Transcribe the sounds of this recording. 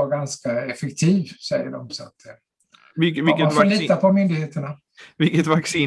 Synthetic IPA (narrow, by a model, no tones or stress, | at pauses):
aɾɡanskaɛfɛkt̪ʰiːvsɛjːə̰ɖɔ̰msa̰t̪ | ɪvɪkːəafoliːt̪ːapʰɔmʏnd̪ɪɡheːt̪əɳa | vɪkːət̪vaksiː